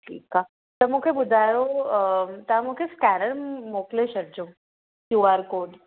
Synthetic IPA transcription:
ʈʰḭːka | t̪ɐmukʰebʊd̪ʱaɾo | t̪amukʰeskænəɾmoːkleɕɐɾd͡ʒõ | kjuːaːɾkoːɖ

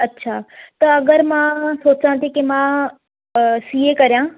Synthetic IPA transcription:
ɐtːɕʰaːt̪ɐɐɡəɾmãsoːt͡sãt̪ʰikemã | siːekɐɾijãː

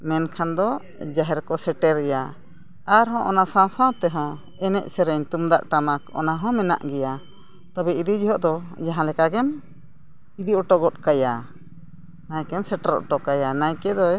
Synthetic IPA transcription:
mɛnkʰand̪ɔ | d͡ʒaɦɛɾkɔsɛʈɛɾɛja | aɾɦɔ̃ʔɔnasãwsãw̃t̪ɛɦɔ̃ | ɛnɛ̰ʔ̚sɛɾɛɲt̪umd̪aʔʈamakɔ̰naɦɔ̃mɛna̰ʔɡɛja | t̪abɛid̪id͡ʒiɦɔʔd̪ɔjãɦãlɛkaɡɛm | id̪iɔʈɔɡɔt̪̚kaja | najkɛmsɛʈɛɾɔ̰ʔʈɔkajanajkɛd̪ɔ

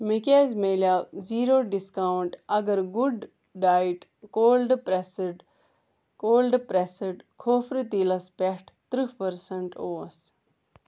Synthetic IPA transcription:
mikʲeːzmeːljaːziːɾoːɖiskaːwɳʈɐɡɐɾɡuɖ | ɖaːjʈkoːlɖpɾesɖ | koːlɖpɾesəɖkʰoːfɾit̪ilɐspeʈʰt̪ɾɨpɐɾsɐɳʈoːɐs

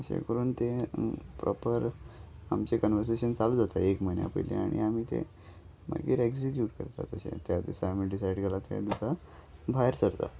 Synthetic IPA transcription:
əɕḛkəɾuːnt̪epɾʔɔpəɾamt͡ɕekənʋəɾs̬eɕənt͡salud͡zat̪aekməjnja̰pə̰jleaɽ̃iam̤iːt̪ḛ | ma̰ɡiːɾeksikjuːʈkəɾt̪at̪əɕḛ̃t̪jad̪isamiɖisajɖɡʱelat̪aad̪isa | bʱajɾsəɾt̪a̰

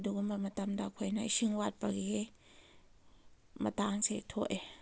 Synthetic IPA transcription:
duɡumamat̪amdakʰojnajsiŋwat̚paɡe | mat̪aŋsetʰoʔ

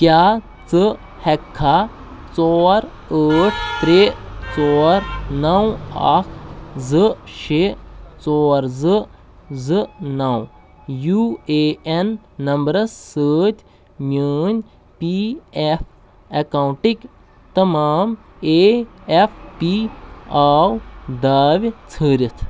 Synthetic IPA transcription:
kjaː | t͡sɨ | hekʰːa | t͡sɔːɾ | əːʈʰpɾeːt͡sɔːɾnɐw̃akʰzɨʃet͡sɔːɾzɨ | zɨnɐw | juːeenː | ɐmbɾɐsːəːt̪ʲ | nʲəːnʲ | piefʰ | ekawɳʈik | t̪ɐmaːm | eepʰpiaːwd̪aːʋʲt͡sʰəːɾʲit̪ʰ

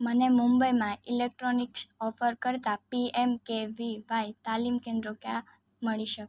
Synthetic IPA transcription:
mənemũmbəjmãilek̚ʈɾoniksɔfəɾkəɾt̪apiemkeʋiʋajt̪alimkẽnd̪ɾokja | məɭiʃək

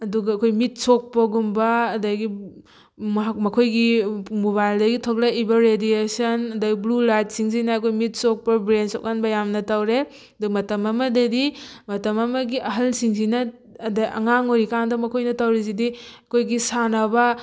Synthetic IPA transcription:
ɐduɡɐːkʰojmit̚sɔk̚pɐɡumbɐːdaɡi | mɐkʰojɡimoβajldɐɡitʰɔk̚laibɐɾediesɐnɐdaɡiblulajt̚siŋs̬inaɐkʰojmit̚sɔk̚pɐbɾensɔ̰k̚anbɐjamnɐtawɾe | ɐdumɐtɐmɐmɐdɐdimɐtɐmɐmɐɡiʔɐɦɐlsiŋsinɐː | daʔɐ̰ŋaŋoɾikaŋdɐmɐkʰojnɐtawɾes̬idiɐkʰojɡisanabɐ

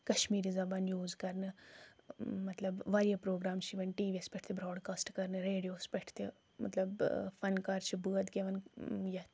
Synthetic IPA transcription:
kɐʃmiːɾizɐbaːnjuːzkɐɾnɨ | mɐt̪lɐbʋaɾijɐpɾoːɡɾaːmʃiʋɐnʈiːʋiɐspɛʈʰt̪ebɾɔːɖkaːsʈkɐɾnɨɾeːɖijoːspɛʈʰt̪e | mɐ̰t̪lɐbfɐnkaːɾt͡ʃʰibɨɐt̪ɡeʋɐnjɐ

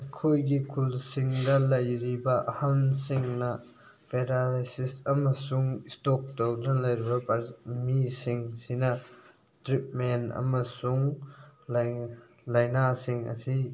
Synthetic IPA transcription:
ɐkʰojɡikʰulsiŋdɐlɐjɾibɐhansiŋnɐ | pʰeɾaɾasisɐmɐsuŋistok̚towdɐlɐjɾibɐpaɾmisiŋsinɐ | tɾip̚menɐ̰mɐsuŋl | lɐjnasiŋɐ̰si

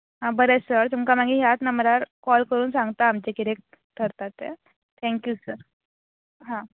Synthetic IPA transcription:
ɦãbəɾesəɾt̪umkamaɡiɦjat̪nəmɾaɾkɔlkəɾuːnsãŋɡt̪aːmt͡ɕekiɾek̚ | t̪ʰəɾt̪at̪ḛ | t̪ʰɛ̃ŋkjusəɾ | ɦã

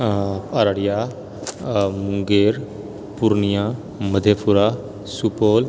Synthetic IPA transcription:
aɾaɽija | muŋɡeɾ | puɾnija | məd̪ʱepʰuɾa | supol

